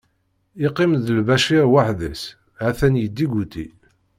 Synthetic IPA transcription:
iqːimðəlvæʃiɾwaħðəs | æθænjəd̪ːiɡut̪i

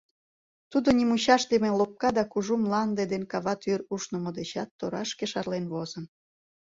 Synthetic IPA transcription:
t̪ud̪onʲimuɕɑʃd̪emelop̚kɑd̪ɑkuʒumlɑnd̪ed̪enkɑβɑt̪yɾuʃnomod̪et͡ɕɑt̪ːoɾɑʃkeʃɑrlenβozən

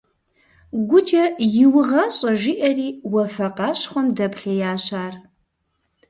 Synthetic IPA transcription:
ɡʷʊd͡ʒʼɐjɪwʊʁɐɕʼɐʒiʔɐriːwɐfɐqɑːɕχʷɔmdɐpʰɬɐjaːɕaːr

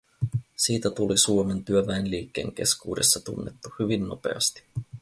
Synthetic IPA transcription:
siːt̪æt̪ulisuome̞nt̪yøʋæenliːkːe̞ːŋk̟e̞skṵːde̞sːɑt̪unːet̪ːuhyʋinːo̞pe̞̰ɑ̰st̪i̥

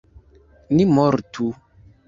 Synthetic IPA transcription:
nimɔɾtʰu

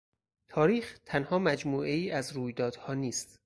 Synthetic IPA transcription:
t̪ʰɒːɾiːxt̪ʰænhɒːmæd͡ʒmuːʔe̞iːʔæzɾuːjd̪ɒːd̪̥hɒːniːst̪

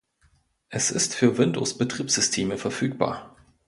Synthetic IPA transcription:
ʔɛsʔɪstfyːɐvɪndo̰sb̥ətʁ̥iːpsz̥ʏstʰeːməfɛɐfyːk̚b̥a̰ːɐ

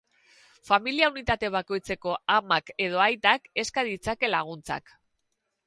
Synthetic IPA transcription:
familiaunit̪at̪e̞β̞ako̞jt͡se̞ko̞amake̞ð̞o̞ajt̪ake̞skaðit͡sake̞laɣ̞unt͡sa̰k

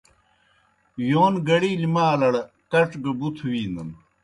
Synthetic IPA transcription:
joːnɡɐɽiːlimaːlɐɽ | kɐʈ͡ʂɡɐbut̪ʰuwiːnd̪ɐn

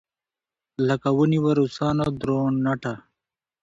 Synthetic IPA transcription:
lɐkɐwuniwɐɾusaːnod̪ɾoːɳːɐʈa

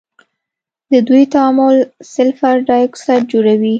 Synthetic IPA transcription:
d̪əd̪ujt̪aamʊlsɪlfaɾɖɑjksad͡ʒoɽawi

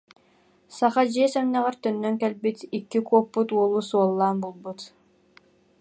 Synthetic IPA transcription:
saχad͡ʑiɛsɛmnɛʁɛɾt̪œnːœŋkɛlbit̪ikːikuɔpːut̪uɔlˠusuɔlˠːaːnbulˠbut̪

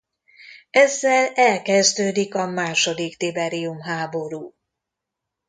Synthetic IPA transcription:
ɛzːɛlɛlkɛzd̪øːd̪ikɒmaːʃo̞d̪ikt̪ibɛɾijumɦaːbo̞ɾuː

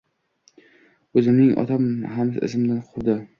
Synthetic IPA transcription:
ɵzɪmnɪŋʔɒ̰t̪ʰamhamsɪ̰sɪmd̪anqʰʊwd̪ɪ

